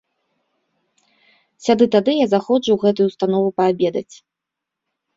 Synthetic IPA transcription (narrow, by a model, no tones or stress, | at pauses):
sʲad̪ɨt̪ad̪ɨjazaxɔt͡ʂuwɣɛt̪̬ujuwst̪anɔvupɐabʲɛd̪ɐt͡sʲ